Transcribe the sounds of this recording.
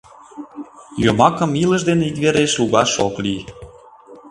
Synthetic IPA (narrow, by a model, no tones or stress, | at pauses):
jomɑkə̆milə̆ʃd̪eneit̪βeɾeʃluɣɑʃo̰kli